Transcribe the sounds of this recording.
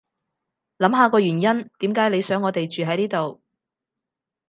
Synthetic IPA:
lɐ˨˥mɦaː˨˧kɔː˧ɥyː˨˩njɐ˥nt̪iː˨˥mkaː˨˥jle˨˧jsœː˨˥ŋːɔː˨˧t̪e˨jt͡ʃyː˨ɦɐ˨˥jniː˥t̪o˨w

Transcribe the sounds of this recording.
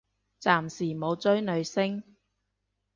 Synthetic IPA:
t͡saː˨msiː˨˩mo˨˧wt͡sɵ˥ɥnɵ˨˧ɥsɪ˥ŋ

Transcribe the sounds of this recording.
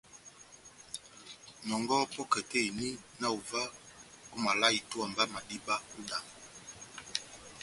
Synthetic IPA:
nɔ˨ŋɡɔ˦pɔ˦kɛ˨tɛ˦i˨ni˦na˦u˨va˦ | ku˦ma˨la˦i˨tu˦a˨mba˦ma˨di˦ba˦u˦da˨

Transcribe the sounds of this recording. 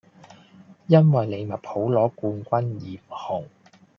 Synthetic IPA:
jɐ˥nwɐ˨jle˨˧jmɐ˨t̚pʰo˨˥wlɔː˨˥kuː˧nkʷɐ˥njiː˨m̩˨˩hʊ˨˩ŋ

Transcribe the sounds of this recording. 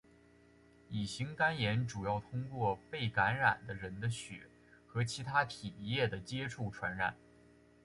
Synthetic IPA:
i˨˩ɕi˧˥ŋka˥njɛ˧˥nʈ͡ʂu˨˩jɑ˥˩ʊt̪ʰʊ˥ŋkwɔ˥˧pe˥˩ɪka˧˥nɻa̰˨˩nd̪ə˦ɻə˧˥nd̪ə˧ɕɥɛ̰˨˩˦ | xɤ˧˥t͡ɕʰi˧˥t̪ʰa˥t̪ʰi˨˩jɛ˥˩d̪ə˩t͡ɕjɛ˥ʈ͡ʂʰu˥˩ʈ͡ʂʰwa˧˥nɻa˨˩˦n

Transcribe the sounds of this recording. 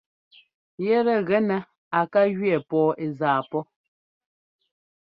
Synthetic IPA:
jɛ˦ɾɛ˨ɣɛ˦nɛ˨ | a˨ka˦ɣɥɛ˦˨pɔː˦ʔe˨zaː˨pɔ˦

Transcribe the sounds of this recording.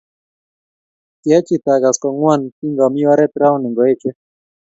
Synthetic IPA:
t̪ja˦t͡ʃit̪aɡa˨skɔ˨ŋwanki˦ŋɡa˨mi˦a˦ɾɛ˦t̪ɾa˦wni˨ŋɡɔ˨e˦t͡ʃɛ

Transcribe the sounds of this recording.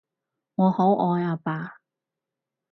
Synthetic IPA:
ŋɔː˨˧ho˨˥wʔɔː˧jaː˧paː˧

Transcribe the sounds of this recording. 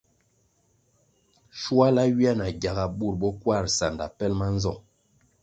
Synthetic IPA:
ʃu˦a˦la˦ɥi˦a˦na˨ɡja˨ɣa˨ɓu˦˨ɾbɔ˦kwa˦˨ɾsa˨nda̰˨pɛ˦lma˦n˦zɔ̰˦˨ŋ

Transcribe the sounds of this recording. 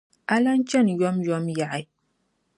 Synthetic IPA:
ʔa˦la˦n˦t͡ʃɛ˦˨njɔ˦mjɔ˦mja˨ʔa˨j

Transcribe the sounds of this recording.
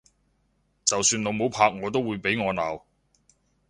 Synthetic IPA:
t͡sɐ˨wsyː˧no˨˧wmo˨˧wpʰaː˧k̚ŋɔː˨˧t̪̬o˥wːuː˨˧jpe˨˥jŋɔː˨˧naː˨w

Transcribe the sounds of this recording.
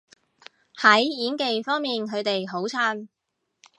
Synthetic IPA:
hɐ˨˥jːiː˨˥nke˨jfɔː˥ŋmiː˨˩nkʰɵ˨˧ɥt̪e˨jɦo˨˥wt͡sʰaː˥n

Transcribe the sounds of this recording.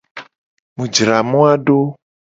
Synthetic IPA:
mũ˨d͡ʒɾa˨mũ˦a˦ɖo˦

